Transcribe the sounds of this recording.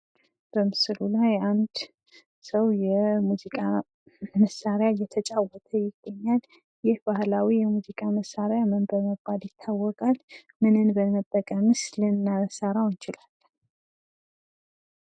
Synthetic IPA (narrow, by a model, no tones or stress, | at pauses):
b̥əmɨsɨlulajand̪ | səwjɛmuzikʼa | məsaɾejajɛt̪ʰət͡ʃʼawɔt̪ʰəjɪɡːəɲːal | jɪhbahlawijɛmuzikʼaməsaɾeamənbəɾməbaljɪt̪ʰːawːɔkʼal | mɨnɨnbəməbʼːəkʼəmɨslɨnːaəsəɾawɨnt͡ʃɪlal